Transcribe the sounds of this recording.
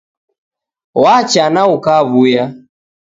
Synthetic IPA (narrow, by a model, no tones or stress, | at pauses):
wat͡ʃanaukaβuja